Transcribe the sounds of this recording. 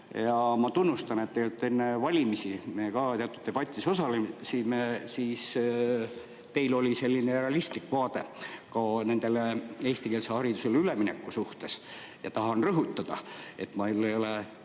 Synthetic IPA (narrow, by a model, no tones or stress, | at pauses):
jɑmɑt̪unːust̪ɑnet̪ːejelut̪ːe̞nːevɑlʲimisimejekɑt̪eɑt̪ːˑud̪̥̚e̞b̥ɑt̪ʲːˑiso̞sɑlemsimesiːs | t̪e̞jlolʲise̞lʲːinereɑlist̪likːvɑːd̪̥e̞kɑne̞nd̪̥e̞lee̞ːst̪ikeːlsehɑɾid̪use̞lyleminḛkːusuht̪e̞s | jɑt̪ɑɦɑnrɤɦut̪ːɑd̪̥ɑe̞t̪ːˑmɑelːejo̞le